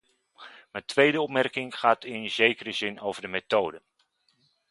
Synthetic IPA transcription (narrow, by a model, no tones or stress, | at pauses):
mətʰʋejdəɔpmɛrkɪŋχaːtiənzejkərəzɪnowvərdəmetoːdə